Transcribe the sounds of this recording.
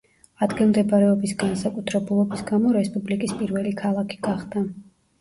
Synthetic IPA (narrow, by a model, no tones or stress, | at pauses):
ad̪ɡilˠmd̪ɛbaɾɛɔbisɡansakʼut̪ʰɾɛbulˠɔbisɡamɔɾɛspʼublikʼispʼiɾvɛlikʰalˠakʰi̥ɡ̥aχd̪a